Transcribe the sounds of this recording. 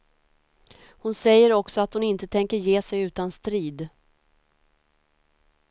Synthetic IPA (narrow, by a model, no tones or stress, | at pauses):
hʊnsɛjːəɾɔksɔat̪hʊnɪnt̪ət̪ʰɛŋkəɾjeːsɛjʉ̟ːt̪anst̪ɾiːd̪